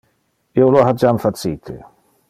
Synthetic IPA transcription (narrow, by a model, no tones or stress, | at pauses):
ioloɦad͡ʒamfasiːt̪ʰḛ